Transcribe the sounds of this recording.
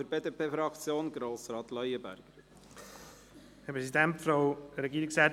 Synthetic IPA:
əɾbeːd̪eːpʰeːfɾɑkt͡sjoːnɡɾoːsɾɑːt̪lœjəbæ̰ɾɡ̥ | hɛpʰɾɛsidɛntfɾaʊɾɛɡiːɾiksɛː

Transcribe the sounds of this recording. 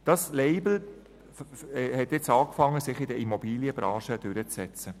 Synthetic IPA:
d̥ɑsleɪbl̩ | hɛtɛt͡sɑːkfɑŋːəsɪχɪdəimɔbiːliəbɾɑːʃəd̥ʉɾət͡ssɛt͡sə

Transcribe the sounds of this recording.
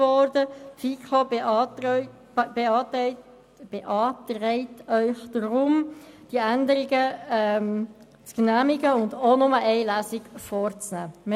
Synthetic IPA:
ʋɔɾdəfikʰo | beɑːt | b̥eʔɑːtɾɛɪtœʏχd̥ɾʊmd̥iəændəɾɪɡəɛm | t͡sknæːmɪɡəʊndonʊməʔɛɪlæsɪɡfɔːɾt͡snæːm

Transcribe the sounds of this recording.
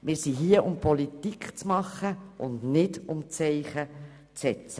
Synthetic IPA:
mɪːɾsiɦiəʔʊmpʰɔlit̪ikχt͡smɑχːəʔʊndnɪdʊmt͡sɛɪχə | t͡sɛt͡sə

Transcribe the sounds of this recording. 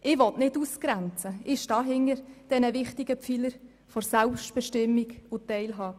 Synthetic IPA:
ʔɪʋɔtnɪtuskɾænt͡səɪʃtɑːɦɪŋəɾd̥ɛnəʋɪχtɪɡəpp͡filəɾ | fɔɾsælpʃtb̥ɛʃtɪmːiɡʊtːɛɪlɦɑː

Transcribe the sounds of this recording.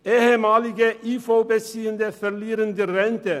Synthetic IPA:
eːhəmɑːlɪɡəʔiːfoʊbesiːənd̪əfœɾliːɾənd̪əɾɛnt̪ə

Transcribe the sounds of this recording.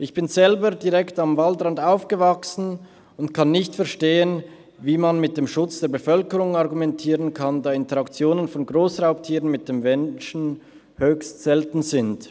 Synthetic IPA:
ʔɪçb̥ɪnzɛlbədiʁɛktamvaldʁandaʊfɡ̥əvaksn̩ | ʊntkʰanːɪçtfɛɐʃteːən | viːmanmɪt̚d̥eːmʃʊt͡sd̥eːɐbəfœlkəʁʊŋaʁɡumɛntʰiːʁənkʰandɑːɪntəʁakt͡sjoːnənfɔnɡʁoːsʁaʊp̚tʰiːʁənmɪt̚d̥eːmvɛnʃn̩ | høːçstz̥ɛltn̩zɪnd

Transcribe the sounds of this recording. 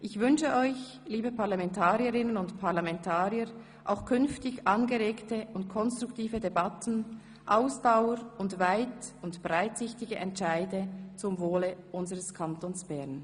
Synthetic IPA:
ʔɪçvʏnʃəʔɔʏç | liːbəpaʁlamɛntʰaːʁiəʁɪnənʊntpʰaʁlamɛntʰaːʁjəɾ | ʔa̰ʊxkʰʏnftɪçʔɑnɡəʁeːktəʊntkʰɔnstʁ̥ʊuktiːvədebatn̩ | ʔaʊsd̥aʊəɾʊntvaɪtʊntb̥ʁaɪtsɪçtɪɡəʔɛntʃaɪdət͡sʊmvoːləʔʊnzəʁəskʰantoːnsb̥ɛʁn

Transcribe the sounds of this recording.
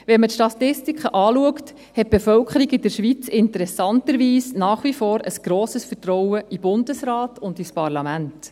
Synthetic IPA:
ʋɛnmətʃtɑt̪ɪstikʰəʔɑːluəkt | hɛt̚b̥efœlkχəɾiɡɪd̥əɾʃʋit͡sɪntəɾɛsɑntəɾʋiːsnɑːχʋifoːɾəsɡ̥ɾoːsəsfəɾtɾɔwəʔib̥ʊndəsɾɑːtʊndispɑɾlɑmænt

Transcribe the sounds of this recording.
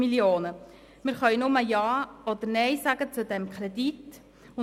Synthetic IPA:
miljoːnə | mɪɾχœʏnʊməjɑːɔd̪əɾnɛɪsaɡ̥ət͡sudɛmkʰχɾedit | ʊ

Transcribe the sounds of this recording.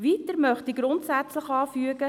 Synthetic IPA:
ʋitəɾmœχtiɡɾʊntsæt͡sləχɑːfyəɡ̥ə

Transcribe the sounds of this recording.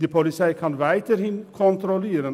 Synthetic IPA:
d̪ɪpʰʊlɪsæɪkʰɑnʋæɪt̪əɾhɪnkʰɔnt̪ɾɔleːɾən

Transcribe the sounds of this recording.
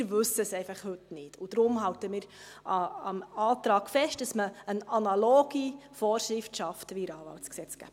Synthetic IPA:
ɾʋɵsəsɛɪfɑχhɵtnɪtʰʊd̥ɾʊmɦɑltəmiːɾ | ɑɑmɑːtɾɑːɡ̥fɛʃtdɑsməənɑnɑloːɡ̥ifɔːrʃɾɪftʃɑftʋiɾɑːʋɑ̰ltsksɛt͡sɡ̥æ̰b

